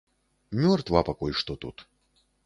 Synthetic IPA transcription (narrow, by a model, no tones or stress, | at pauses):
mʲɔrt̪vapakɔjʂt̪ɔt̪ṵt̪